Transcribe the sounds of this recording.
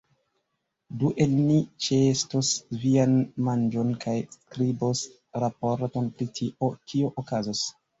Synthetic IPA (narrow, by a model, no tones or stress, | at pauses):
duʔe̞lnit͡ʃestosvianmand͡ʒo̞nkʰajskɾibos | ɾapo̞ɾto̞npɾitʰiʔo̞kioʔokazos